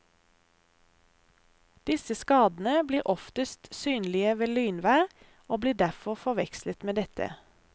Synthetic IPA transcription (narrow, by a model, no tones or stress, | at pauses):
d̪̥ɪsəskɑːd̪n̩əbliːʁʔɔft̪əst̪syːnlɪəʋeːlyːnʋæːʁ | oːbliːd̪æʁfɔʁfɔʋɛkslət̪meːd̪ɛt̪ʰə̰